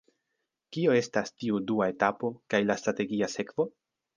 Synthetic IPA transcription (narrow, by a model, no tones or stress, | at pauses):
kio̞e̞stastiuduae̞tapo̞kajlastɾate̞ɡiase̞kv̥o̞